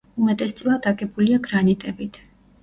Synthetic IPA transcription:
umɛt̪ʼɛst̪sʼlˠad̪aɡɛbuliaɡɾanit̪ʼɛbit̪ʰ

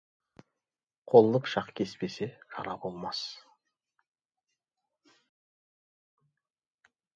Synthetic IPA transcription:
qʰo̞lˠnˠəpʃɑqkʲʰe̞spe̞seʒɑ̰ɾɑbo̞lˠmɑs

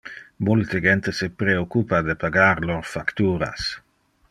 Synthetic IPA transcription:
mult̪eɡent̪esepɾeokupad̪epaɡaɾloɾfakt̪uːɾa̰s

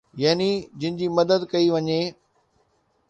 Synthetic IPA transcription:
jaːnid͡ʑɪnɪ̃̆d͡ʑiːmɐd̪əd̪kɐiʋɐɲe

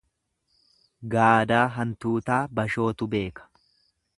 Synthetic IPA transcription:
ɡaːd̪aːɦɐnt̪uːt̪aːbɐʃo̞ːt̪ʊbe̞ːkɐ̥

